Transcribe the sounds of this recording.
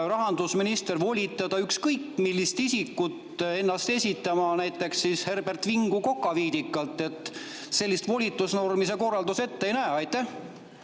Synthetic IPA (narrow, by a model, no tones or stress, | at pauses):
rɑɦɑnd̪̥usminist̪e̞rvo̞lʲit̪ːˑɑd̪̥ɑykskɤjkːmilʲːist̪isikːˑut̪e̞nːɑst̪e̞sʲit̪ːˑɑmɑnæjt̪ːˑe̞ksishe̞rb̥e̞rt̪viŋɡ̥uko̞kːˑɑviːd̪ikːˑɑlt̪ːˑe̞t̪ | se̞lːist̪vo̞lʲit̪ːˑusnormis̬eko̞rːɑld̪use̞t̪ːeejnæeɑjt̪ːæh